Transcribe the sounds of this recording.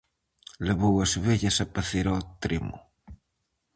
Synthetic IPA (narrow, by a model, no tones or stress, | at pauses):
leβowasβeʎasapaθeɾɔt̪ɾimʊ̰